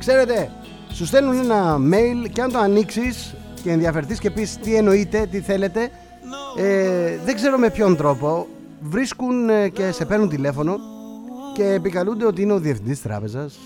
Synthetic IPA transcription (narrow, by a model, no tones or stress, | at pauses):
kse̞ɾe̞t̪e̞ | sust̪e̞nune̞nɐme̞jlceɐnt̪o̞ɐniksis | ceːnðiɐfe̞ɾθisce̞pist̪ie̞no̞it̪e̞t̪iθe̞le̞t̪e̞ | eðeɡze̞ɾo̞me̞pço̞nt̪ɾo̞po̞ | vɾiskunce̞se̞pe̞ɾnunt̪ile̞fo̞no̞ | ce̞ːpikɐlund̪eot̪iine̞o̞ðiefθind̪ist̪ɾɐ̰pe̞zɐs